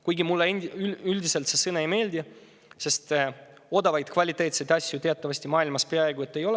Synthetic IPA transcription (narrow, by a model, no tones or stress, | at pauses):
kujɡimulːeenʲd̪̥yyld̪ise̞lt̪se̞sɤnɑejme̞ːlʲd̪i | se̞st̪ | o̞d̪ɑvɑjd̪kvɑlʲit̪ːˑe̞ːt̪sed̪ɑsʲjut̪e̞ɑt̪ːɑvɑsʲt̪imɑːilmɑspe̞ɑe̞ɡuet̪ːe̞jo̞le